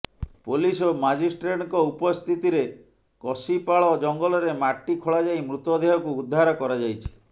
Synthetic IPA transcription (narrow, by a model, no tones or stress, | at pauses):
polisomad͡ʒisʈɾeʈɔŋkɔupɔst̪ʰit̪iɾe | kɔsipaɭɔd͡ʒɔŋɡɔlɔɾemaʈːikʰoɭad͡ʒajmɾut̪ɔd̪ʱeɦɔkuːd̪ʱːaɾɔkɔɾad͡ʒajt͡ʃʰi̥